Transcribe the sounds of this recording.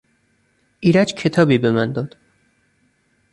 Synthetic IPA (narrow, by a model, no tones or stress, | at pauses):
ʔiːɾæd͡ʒcʰe̞t̪ʰɒːbiːbe̞mænd̪ɒːd̪̥